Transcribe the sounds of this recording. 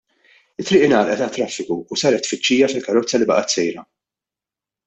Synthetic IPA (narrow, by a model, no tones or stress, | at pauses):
ɪt̪ːɾɪːʔɪnɐːlʔɛt̪ɐt̪ːɾɐfːɪkuːsɐːɾɛt̪ːfɪt͡ʃːiːjɐfɪlkɐɾɔt͡sːɐlɪbɐ̰ʔɐt̪sɛjɾɐ